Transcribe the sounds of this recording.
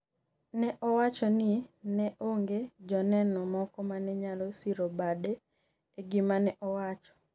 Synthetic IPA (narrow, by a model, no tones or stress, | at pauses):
nɛʔɔwat͡ʃɔnɪnɛʔoŋɡed͡ʒɔnɛnɔmɔkɔmanɛɲalosiɾobadɛː | ɡɪmanɛʔɔwat͡ʃɔ̥